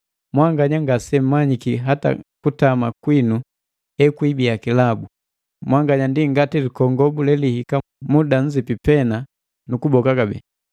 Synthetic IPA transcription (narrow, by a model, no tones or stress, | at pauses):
mwaŋɡaɲaŋɡasɛm̩maɲikiɦata̰kutamakwinu | hɛkwibiakilabu | mwaŋɡaɲandiŋɡatilikɔŋɡɔbulɛlihika | mudaɲ̩d͡ʒipipɛna | nukubɔkaɡabɛ̰